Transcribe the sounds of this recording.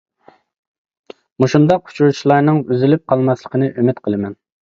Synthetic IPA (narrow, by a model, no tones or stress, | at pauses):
muʃund̪ɑqʰʊ̥t͡ʃʰuɾt͡ʃʰilˠɑɾnɨŋyzɪlyp̚qʰɑlˠmɑslˠəqʰənɨʔymɪt̪qʰəlˠɨmɛn